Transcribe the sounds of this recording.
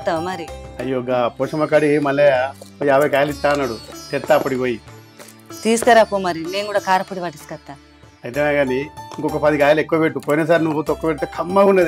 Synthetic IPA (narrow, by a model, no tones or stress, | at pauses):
t̪ːamɐɾiɐjːoːɡapoːʂɐmɐkaɽimɐlːejaːbʱɐjkaːjɐlit͡ʃːaːɐnːɐɽut̪eɾt̪ːaːpːɐʈiʋoːji | t̪iːskɐɾakomɐɾineːnɡuːɽaːkaːɾɐpːuɽiʋɐʈiskɐt̪ːa | ɐjt̪enaɡaːniiŋkɔkːɐpɐd̪ikaːjɐlekːuʋɐpeʈːupoːjinɐs̬aːɾinuʋut̪okːupeʈt̪ekʰɐmːaunːɐd̪